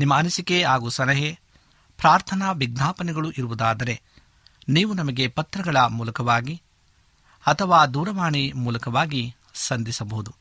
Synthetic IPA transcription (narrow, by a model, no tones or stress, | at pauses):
nimːɐɐnɐsikeaːɡuːsɐlɐɦe | pɾaːɾt̪ʰɐnɐʋiɡnaːpɐnɛɡɐɭuʔiɾuʋud̪aːd̪ɐɾe̞ | niːʋunɐmɐɡe̞pɐt̪ɾɐɡɐɭɐmuːlɐkɐʋaːɡi | ɐt̪ʰɐʋaːd̪uːɾɐʋaːɳimuːlɐkɐʋaːɡi | sɐnd̪isɐbɐɦud̪u